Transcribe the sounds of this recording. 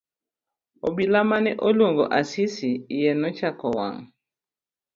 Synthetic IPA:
obilamanɛʔoloŋɡoʔasisiːjɛnɔt͡ʃakɔwa̰ŋ

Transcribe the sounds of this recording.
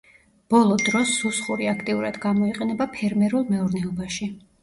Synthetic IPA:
b̥ɔlˠɔd̪ɾɔsːusχuɾiakʰt̪ʼiuɾad̪ɡamɔiqʼɛnɛbapʰɛɾmɛɾulˠmɛuɾnɛɔbaʃi

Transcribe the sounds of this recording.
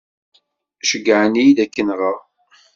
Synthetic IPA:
ʃəɡəʕənijd̪ækːənʁəʁ

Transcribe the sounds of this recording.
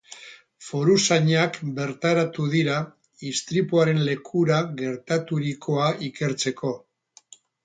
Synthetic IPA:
fo̞ɾusaɲakbe̞ɾt̪aɾat̪uðiɾa | ist̪ɾipuaɾe̞nle̞kʰuɾaɣe̞ɾt̪at̪uɾiko̞aʔike̞ɾt͡se̞ko̞

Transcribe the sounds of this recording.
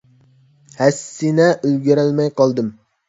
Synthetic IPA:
hæsːɪnɛʔølɡʲiɾælmɛjqʰɑlˠd̪ɨm

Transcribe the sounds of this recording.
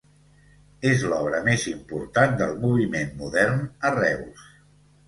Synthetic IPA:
ezlɔβ̞ɾəmezimpuɾt̪and̪əlˠmuβ̞imenmuðɛɾnərɛws

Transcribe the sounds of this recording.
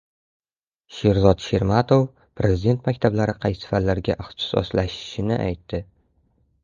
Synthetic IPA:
ʃe̞ɾzɒt̪ʃe̞ɾmat̪ʰof | pʰɾʔe̞zid̪e̞nt̪makʲt̪ʰablaɾɪqʰɑj̪sɪ̥fat̪laɾɡʲa̰ʔɪχt̪ʰɪ̥sɒ̰slaʃɪ̥ʃɪnɪʔa̰jt̪ːɪ

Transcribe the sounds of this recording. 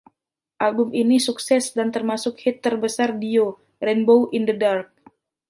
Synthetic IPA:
ʔalbʊminisuksɛsdant̪ərmasʊk̚hit̪ːərbəsardio | rɛnbowʔindədark̚

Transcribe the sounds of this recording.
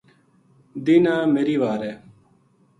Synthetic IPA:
d̪iːnaːmeːɾiːʋaːɾeː

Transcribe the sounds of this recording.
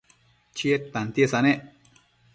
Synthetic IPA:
t͡ʃiet̚t̪ant̪iesaneʔ

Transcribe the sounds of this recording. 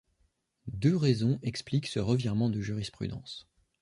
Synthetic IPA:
d̪øʁɛzɔ̃ʔɛkspliksəʁəvjiʁmɑ̃d̪əʒyʁispχy̰d̪ɑ̰̃s

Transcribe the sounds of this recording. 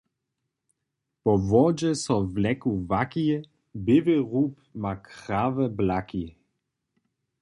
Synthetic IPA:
pɔvɔd͡ʑɛsɔvlɛkuvaki | bɪveʁuːpmakʁ̥avəblaki

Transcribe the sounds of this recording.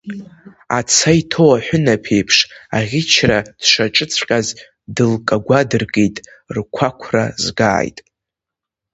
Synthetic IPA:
a̰t͡sʰajtʰowaħʷᶣʊnapʰejpʰʂaʁʲɪt͡ʃʰrad̥ʂʷaʈ͡ʂʼɨt͡sʷʰqʲʼaz | dɨlkʼaɡʷadɨrɡejtʼ | rkʷʰakʷʰra̰zɡa̰ːjtʼ

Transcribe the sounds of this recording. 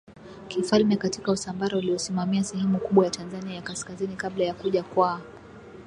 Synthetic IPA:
kifalmɛkatikausambaɾauliɔsimamiasɛhɛmukuɓwajatʰanzaniajakaskazinikablajakuʄakwaː

